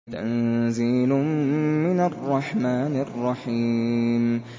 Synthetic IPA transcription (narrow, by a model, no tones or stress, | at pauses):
t̪a̰nziːlʊːɪnarˤːɑħmaːnɪrˤːɑħiːm